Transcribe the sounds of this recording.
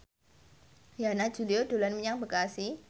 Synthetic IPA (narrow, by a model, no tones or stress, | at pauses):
janḁd͡ʒ̥ṳliodo̤lanməɲaŋbəkasi